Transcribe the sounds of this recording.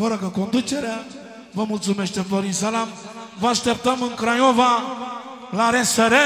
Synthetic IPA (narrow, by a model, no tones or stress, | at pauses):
fəɾəkəko̞nd̪ut͡ʃe̞ɾea | vəmult̪sume̞ʃt̪epoɾinsalam | vəaʃt̪ep̚t̪əmɨŋkɾajova | laɾensəɾe